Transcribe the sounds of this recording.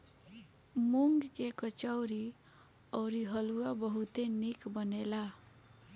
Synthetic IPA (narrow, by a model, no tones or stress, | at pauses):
muŋɡkekət͡ʃəwɾi | ɔwɾiɦʌluabəɦut̪enikbənela